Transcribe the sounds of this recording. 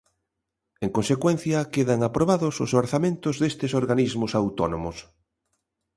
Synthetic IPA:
eŋkõnsekwen̟θjɐkeðaŋapɾoβaðʊsʊsoɾθamẽnt̪ʊzðest̪ɪsoɾɣanizmʊsawt̪ɔnomʊs

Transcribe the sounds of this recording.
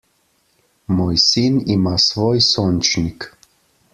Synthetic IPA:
moːjsinimasʋoːjsont͡ʃnik

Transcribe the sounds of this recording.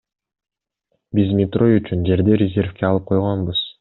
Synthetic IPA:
bizmʲɪt̪ro̞jyt͡ʃynd͡ʒe̞ɾd̪e̞ɾʲɪzʲe̞rfkeɑlˠɯp̚qʰo̞jʁɑnbɯz̥

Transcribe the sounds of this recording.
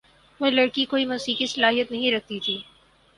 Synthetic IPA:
ʋolɐɽkikoːimɐsiːkisɐlaːɦijət̪nɐɦĩɾɐk̚ʰt̪it̪ʰiː

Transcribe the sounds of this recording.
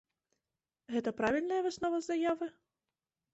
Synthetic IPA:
ɣɛt̪ɐpɾavʲilʲnɐjɐvɨsnɔvɐzajavɨ

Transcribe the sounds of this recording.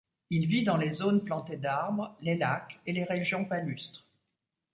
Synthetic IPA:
ilvid̪ɑ̃lezonplɑ̃t̪ed̪aʁbʁlelakeleʁeʒjɔ̃palyst̪χ

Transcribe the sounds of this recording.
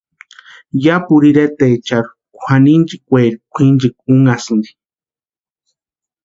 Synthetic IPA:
japuɾiɾet̪et͡ʃaɾu̥ | kʷʰanint͡ʃikʷeɾikʷʰind͡ʒik̚uŋasɨnd̪i̥

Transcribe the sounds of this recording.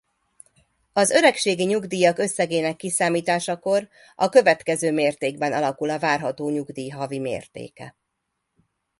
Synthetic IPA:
ɒzø̞ɾɛkʃeːɡiɲuɡd̪iːjɒkø̞sːɛɡeːnɛkːisaːmiːt̪aːʃɒko̞r | ɒkø̞vɛt̪kɛzøːmeːrt̪eːɡbɛnɒlɒkulɒvaːrɦɒt̪oːɲuɡd̪iːɦɒvimḛːrt̪ḛːkɛ̰

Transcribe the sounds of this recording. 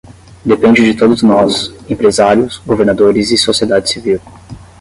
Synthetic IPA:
d̪epẽnd͡ʒɪd͡ʒɪt̪od̪ʊznɔsẽpɾezaɾjʊsɡoveɾnad̪oɾɪzɪsosied̪ad͡ʒɪsiviw

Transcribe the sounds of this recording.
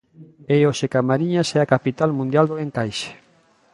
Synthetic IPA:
eoʃekamaɾiɲasɛakapit̪almũnd̪jald̪oeŋkajʃe̥

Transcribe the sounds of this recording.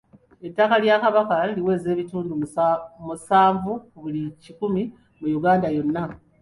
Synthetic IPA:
e̞tːakaljakaβakaliwe̞ːze̞ːβituːndumusaːɱvukuβulicikumi | mujuɡaːndajo̞nːa

